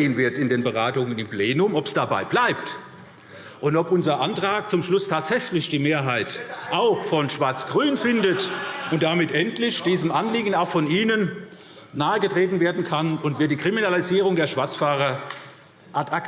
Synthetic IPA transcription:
eːənvɪɐtɪndeːnbəʁaːtʊŋənɪmpleːnʊmɔpsd̥abaɪblaɪp̚t | ʔʊntɔpʔʊnzɐʔantʁ̥aːk̚t͡sʊmʃlʊstʰaːtz̥ɛçlɪçd̥iːmeːɐɦaɪtʔaʊxfɔnʃv̥aɐt͡sɡ̥ʁyːnfɪndətʔʊnt̚d̥amɪtʔɛntlɪçd̥iːzəmʔanliːɡən̩aʊxfɔniːnənː | aːəɡətʁ̥eːtn̩veːɐdn̩kʰanʊntv̥iɐtd̥iːkʁ̥iminaliziːʁ̞ʊŋdeːɐʃv̥aɐt͡sfaːʁɐ | ʔatʰak

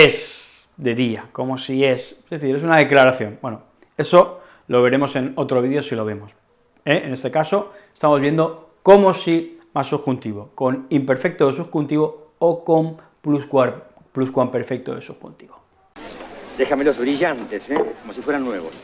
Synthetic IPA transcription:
e̞s | d̪e̞ðiako̞mo̞sie̞seeθiɾe̞sunaðe̞klaɾaθjo̞ŋbwe̞no | e̞so̞ | lo̞βe̞ɾe̞mo̞se̞no̞t̪ɾoβiðjo̞silo̞β̞e̞mo̞s | eene̞st̪e̞kaso̞est̪amo̞zβend̪o̞ | ko̞mosimasuxunt̪iβo̞ko̞nimpe̞ɾfe̞k̚t̪oðes̬uxunt̪iβo̞okom | pluskwaɾ | pluskwampe̞ɾfe̞k̚t̪oðesuxṵnt̪iβo | d̪e̞xame̞lo̞zβɾiʝant̪esekomo̞sifweɾanːwe̞βos

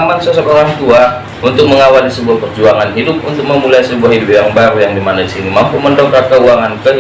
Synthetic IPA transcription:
mansos̬okoɾant̪ua | unt̪ʊk̚məŋawalisəbuahpərd͡ʒuaŋanɦidʊp̚unt̪ʊk̚məmulajsəbuahɦidupjaŋbaɾjaŋdimanadisinimampuməndokakəuaŋankə

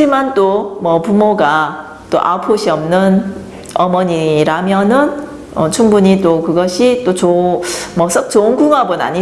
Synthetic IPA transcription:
imant͈omwʌpumoɡa | t͈o̰ʔa̰pʰoɕʰiʌmnɯn | ʌmʌɲiɾamjʌnɯn | ʌt͡ɕʰuŋbuɲit͈okɯɡʌɕʰit͈ot͡ɕomʌs͈ɯk̚t͡ɕoɯnɡuŋɦabɯna̰ɲi

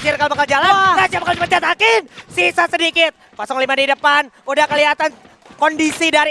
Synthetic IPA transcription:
d͡ʒɪrkalomakald͡ʒalanɾasamakaldikət͡ʃat̪akɪnsisasədikɪt̪̚pasɔŋlimadaidəpan | udahkəliɦat̪an | kɔndisidaɾi

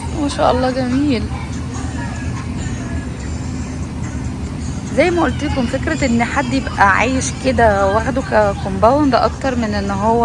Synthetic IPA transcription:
mæʃæ̰ːʔɑlˤːɑːɡæmiiːl | zæjːmæʔolt̪elːkomfekɾæʔenːħad̪ːjebʔæʕa̰ːjeʃked̪æwæxd̪okækombæwnd̪æʔɑk̚t̪ɑɾˤmenʔenːɦowːæ

